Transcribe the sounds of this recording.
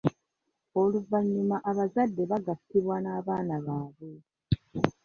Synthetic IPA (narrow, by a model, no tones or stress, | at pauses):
o̞luvaɲːimaʔaβazadːe̞βaɡatːiβwanaːβaːnaβaːβe